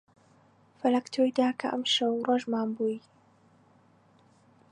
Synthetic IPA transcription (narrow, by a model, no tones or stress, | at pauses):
falakt̪ʊʔɪd̪aːkaʔa̰mʃawɾˤɑʒmaːmbuj